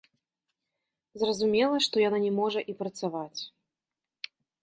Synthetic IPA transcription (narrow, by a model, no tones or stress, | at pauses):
zrɐzumʲɛlˠɐʂt̪ɔjananʲɛmɔʐɐʔipɾɐt̪savat͡sʲ